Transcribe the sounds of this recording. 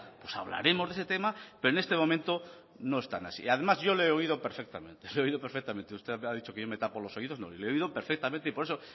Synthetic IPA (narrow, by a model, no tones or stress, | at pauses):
pwosa̰βla̰ɾe̞mo̞zðese̞t̪e̞mapeɾoenest̪emo̞mẽnt̪o̞ | no̞e̞st̪a̰na̰sḭaðe̞mazʝo̞leeoiðo̞peɾfek̚t̪amẽ̞nt̪eleoiðo̞peɾfek̚t̪amẽnt̪eust̪eaðit͡ʃo̞keʝo̞me̞t̪apolo̞so̞iðo̞zno̰ileoiðo̞peɾfek̚t̪ament̪eipo̞ɾe̞so̞